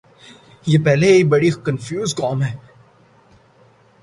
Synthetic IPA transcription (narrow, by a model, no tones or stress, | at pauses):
jeːpɛɦleeːk̚bɐɽikɐnfjuːzkɔːmɦɛː